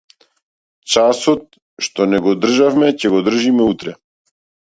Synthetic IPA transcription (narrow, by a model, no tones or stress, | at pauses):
t͡ʃasɔt̪̚ | ʃt̪ɔnɛɡɔd̪r̩ʒafmɛcɛɡɔd̪r̩ʒimɛut̪ɾɛ